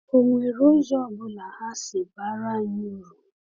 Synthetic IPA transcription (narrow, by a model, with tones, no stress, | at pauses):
o˨ŋʷe˨ɾo˦zɔ˦˨bʊ˦la˨ha˦sɪ˨ba˦ɾa˦ɲu˦ɾu˨